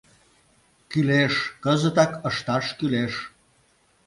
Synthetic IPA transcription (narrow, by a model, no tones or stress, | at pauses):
kyleʃkəzə̆t̪ɑkə̆ʃt̪ɑʃkyleʃ